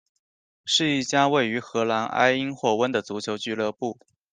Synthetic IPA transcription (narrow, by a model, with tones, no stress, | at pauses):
ʂɻ̩˥˧i˥˩t͡ɕja˥we˥˩ɪy˧˥xɤ˧˥la˧˥nʔa̰˥ɪi˥ŋxwɔ˥˩wə˥nd̪ə˨t͡su˧˥t͡ɕʰjo˧˥ʊt͡ɕy˥˧lɤ˥˧pu˥˩